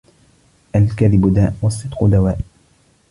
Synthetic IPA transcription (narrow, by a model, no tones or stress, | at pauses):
ʔalkaðɪbd̪aːʔwɑsˤːɨd̪ˤqʊd̪awaːʔ